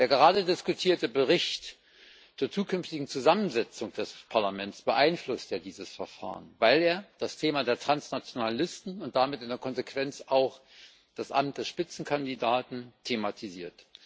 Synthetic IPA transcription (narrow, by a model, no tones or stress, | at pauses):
d̥eːɐɡəʁaːdədɪskutʰiːɐtəbəʁ̞ɪçt | t͡suːɐt͡suːkʰʏnftɪɡŋ̩t͡suzamənzɛt͡sʊŋd̥ɛspʰaɐlamɛntsb̥əʔaɪnflʊstjaːdiːzəsfɛɐfa̰ːʁənvaɪleːɐd̥astʰeːmadeːɐtʁ̥ansnat͡sjonalɪstn̩ʊnt̚d̥amɪtɪndeɛɐkʰɔnzekv̥ɛnt͡saʊx | d̥asʔa̰mt̚d̥ɛsʃpɪt͡sn̩kʰandidaːtn̩tʰematʰiziːɐt